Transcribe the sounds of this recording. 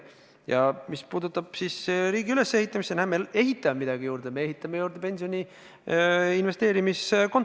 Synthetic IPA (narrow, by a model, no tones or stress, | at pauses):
jɑmispuːd̪ut̪ːˑɑb̥sisɾiːɡiyle̞se̞hit̪ːˑɑmisenæhemee̞ɦit̪ːˑɑmemid̪ɑɡijuːɾd̪̥e̞me̞eɦit̪ːˑɑmejuːɾd̪e̞pe̞nʲsionʲi | inve̞st̪eːɾimisko̞n